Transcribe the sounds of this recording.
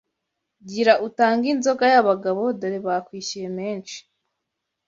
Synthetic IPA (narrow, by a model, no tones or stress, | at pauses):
ɟiɾaʔutaːŋɡinzo̞ɡajaβaɡaβo̞doɾiβakwiːcije̞meːnt͡ʃi̥